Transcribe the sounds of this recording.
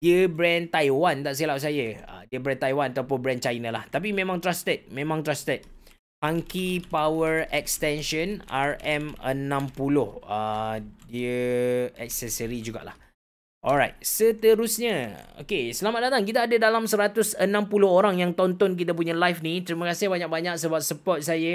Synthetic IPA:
diəbɾɛnt̪ajwant̪aʔsilaʔ̚s̬ajəə̰diəbɾɛnt̪ajwanat̪awpʊnbɾɛnt͡ʃajnalaht̪ap̬imẽmãŋt̪ɾast̪ət̪̚mẽmãŋt̪ɾast̪ət̪̚ | paŋkipawəɹɛk̚st̪ɛnʃənaɹɛmənãmpulʊhədiəɛk̚səsəɾid͡ʒuɡa̰ʔla̰h | ʔɔlɾajt̪̚sət̪əɾusɲə̃o̰kesəlamat̪̚dat̪aŋk̬it̪aːdadalamsəɾat̪ʊsənãmpulʊɦoɾaŋjaŋt̪ɔnt̪ɔnk̬it̪ap̬uɲalajfnit̪ɾimə̃kasɪhbaɲak̚baɲak̚səbap̚səpɔt̪̚sajə

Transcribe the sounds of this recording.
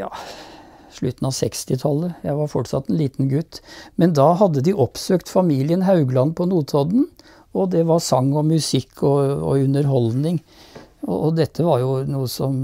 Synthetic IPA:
jɑ̰ː | ʂɭʉt̪n̩ɑʋsɛkst̪ɪt̪ʰɑlːəjæɪʋɑɾfɔʈsɑ̰t̪ːɛnliːt̪n̩ɡʉt̪ːmɛnd̪ɑːɦɑd̪ːəd̪ɪʔɔpsøːkt̪fɑmiːlɪənɦɑʉɡlɑnpʰɔnuːt̪ʰɔd̪n̩ | ɔd̪ɛʋɑɾsɑŋːɔmʉsɪkʰːɔɔ̰ʉnːəɾɦɔldnɪŋ | ɔ̰ɔd̪ɛt̪ʰːəʋɑɾjʊnuːəsɔm

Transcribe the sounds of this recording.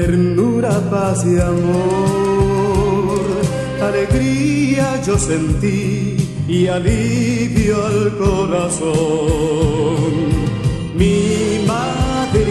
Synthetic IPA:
eɾnuɾapasiamo | ɾ | aleɣɾiad͡ʒo̞sent̪i | ialiβjoalkoɾaso | n | mima | ðeɾ

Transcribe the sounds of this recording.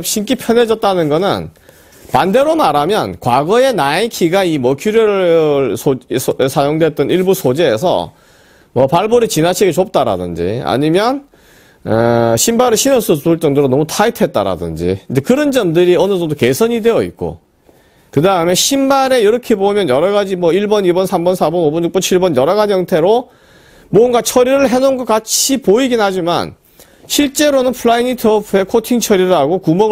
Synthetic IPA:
ɕʰink͈ipʰjʌne̞d͡ʑʌt̚t͈anɯnɡʌnɯ̰n | pande̞ɾomaɾamjʌnkwaɡʌe̞naekʰiɡaimʌkʰuɾjʌɾɯsʰosʰajoŋdwet͈̚ʌniɭbusʰod͡ʑeːsʰʌ̰ | mʌpaɭboɾit͡ɕinat͡ɕʰiɡet͡ɕop̚t͈aɾa̰dɯnd͡ʑḭa̰ɲimjʌn | ɕʰimbaɾɯɕʰinʌs͈ʰɯtuɭt͡ɕ͈ʌŋdɯɾonʌmutʰaitʰe̞t̚t͈aɾa̰dɯ̰nd͡ʑḭɯndekɯɾʌnd͡ʑʌmdɯɾiʌnɯsʌdokesʰʌɲide̞jʌḭt̚k͈o̰ | kɯdaɯme̞ɕʰimbaɾe̞jiɾʌkʰe̞bomjʌnjʌɾʌɣad͡ʑimwʌiɭbʌnibʌnsʰambʌnsʰabʌnobʌnjuk̚p͈ʌnt͡ɕʰiɭbʌnjʌɾʌɣad͡ʑijʌŋtʰe̞ɾo | mwʌnɡat͡ɕʰʌɾiɾɯɭɦe̞nonɡʌk͈at͡ɕʰipoiɡinɦad͡ʑima̰n | ɕʰiɭt͡ɕ͈e̞ɾonɯnpʰuɭainitʰɯʌpʰɯe̞kʰotʰiŋt͡ɕʰʌɾiɾɯɭaɡokumʌ

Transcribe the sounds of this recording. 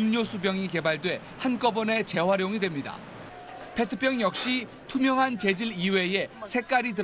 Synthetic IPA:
mɲosʰubjʌŋike̞baɭdwe̞ | hank͈ʌbʌne̞t͡ɕe̞waɾjoŋidwe̞mɲida̰ | pʰe̞tʰɯ̥p͈ʰjʌŋjʌk̚ɕ͈i | tʰumjʌŋɦant͡ɕe̞d͡ʑiɾiwe̞je̞sʰe̞k͈aɾid̬ɯɾ

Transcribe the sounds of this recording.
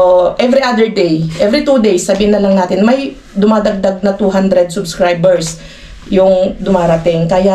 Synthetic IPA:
oʔɛvɾiʔad̪ɛɹd̪ejʔɛvɾɪt̪uːd̪ejsːɐbiːhɪnːɐlɐŋnaːt̪ɪnmɐj | d̪ʊmaːd̪ɐɡ̚d̪aɡ̚nɐt̪uɦand̪ɾɛd̪̚sʊbskɹajbɛɹs | jʊŋd̪ʊmaːɾɐt̪ɪŋkɐja

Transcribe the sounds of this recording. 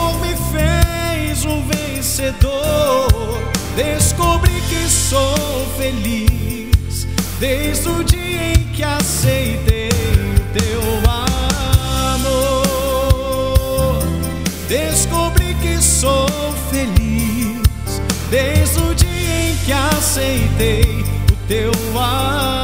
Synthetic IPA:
omɪfe | jzʊvẽ | sed̪o | d̪eskobɾikɪsow | feli | s | d̪ejzd̪ʊd͡ʒiɐẽj̃kɪasejt̪ejʊt̪ewa | no | d̪eskobɾikɪso | feli | s | d̪ejzd̪ʊd͡ʒiɐẽj̃kɪasejt̪ejʊt̪ea

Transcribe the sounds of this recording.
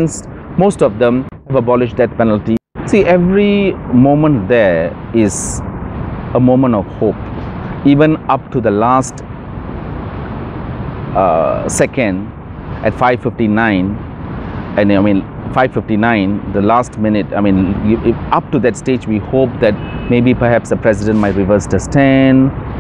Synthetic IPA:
nsmostɔvd̪ɛ̃mhɛvəbɔlɪʃd̪ɛt̚pɛnəlti | siʔɛvɹimõmə̃ntd̪ɛɪz | əmõmə̃ntɔfhop̚ivə̃nap̚tud̪əlast | sɛkə̃n | ʔɛtfaɪvfɪftinãɪ̃n | ɛ̃namĩnfaɪvfɪftinãɪ̃nd̪əlastmɪnɪt̚a̰ɪmĩnʔap̚tud̪ɛtsted͡ʒwihop̚d̪ɛt̚mebipəhɛpsd̪əpʰɹɛsidə̃nmaɪtɹivəstəstɛ̃n

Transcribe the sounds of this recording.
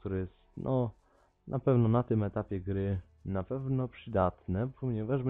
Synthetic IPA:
t̪uɾɛjɛst̪nʔɔ | nʔapɛvnɔnat̪ɘmɛt̪apʲjɛɡɾɘ | napɛvnɔpʂɘd̪at̪nɛpʰɔɲɛvaʐm

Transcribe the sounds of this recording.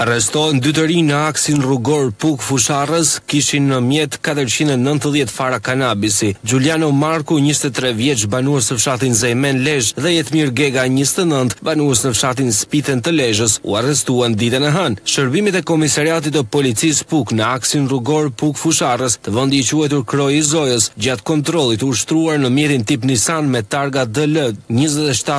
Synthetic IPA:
arɛst̪ɔɛnd̪yt̪̬əɾinəaksinruɡɔɾpukfuʃarəskiʃinːəmjɛt̪kat̪əɾt͡ɕinɛnənt̪əðjɛt̪faɾakanabisid͡ʒuljanɔmaɾkuɲəst̪ɛt̪ɾɛvjɛt͡ʃbanuəsnəfʃat̪inzɛjmɛnlɛʒðɛjɛt̪miɾɡɛɡaɲəst̪ɛnənt̪banuəsnəfʃat̪̬inspit̪ɛnt̪əlɛʒəsṵarɛst̪uand̪it̪ɛnəɦanʃəɾbimit̪ɛkɔmisaɾiat̪̬it̪əpɔlit͡sispuknəaksinruɡɔɾpukfuʃarəst̪əvənd̪iit͡ʃuɛt̪uɾkɾɔizɔjəsd͡ʑat̪kɔnt̪ɾɔlˠit̪uʃt̪ɾuaɾnəmjɛt̪int̪ip̬nisanmɛt̪aɾɡad̪ələɲəzɛt̪ɛʃt̪a

